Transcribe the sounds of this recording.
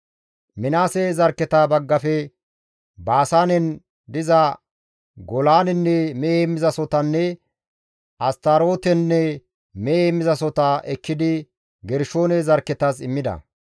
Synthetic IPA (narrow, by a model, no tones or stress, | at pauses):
mɪnaːsezɐɾkːɛt̪aːbɐɡːɐfɛ | baːsaːnɛn | d̪ɪzɐ | ɡɔlaːnɛnːɛmɛemːɪzɐsɔt̪ɐnːɛ | ʔɐst̪aɾo̞ːt̪ɛnːɛ | mɛeːmːɪzɐsɔt̪aʔɛkːɪd̪ɪ | ɡɛɾʃo̞ːnɛzɐɾkːɛt̪ɐs̬ɪmːɪd̪ɐ̰